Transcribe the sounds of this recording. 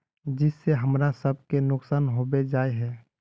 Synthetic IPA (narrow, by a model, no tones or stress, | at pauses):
d͡ʒɪsːeɦəmɾasəb̚ʱkenʊksaːnɦoːbed͡ʒaːeɦɛː